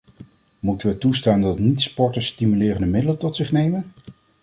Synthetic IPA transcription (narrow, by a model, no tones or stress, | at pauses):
mutənʋətustaːndɑtnitspɔɹtəstimylɪːrəndəmɪdələtɔtsɪχnejmən